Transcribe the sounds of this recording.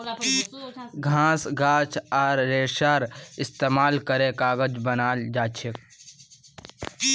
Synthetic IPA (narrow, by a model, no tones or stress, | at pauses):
ɡʱãːsɡaːt͡ʃʰaːɾːeːʃaːɾɪst̪eːmaːlkəɾẽkaːɡəd͡ʒbənaːld͡ʒaːt͡ʃʰek